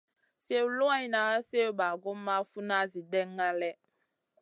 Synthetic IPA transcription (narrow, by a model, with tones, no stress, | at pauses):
se˦wu˨lo˦a˦na˨˦a˦se˦ba˨ɡo˦mː˦a˦fu˦na˦zi˨dɛ˦ŋː˦a˦lɛ˦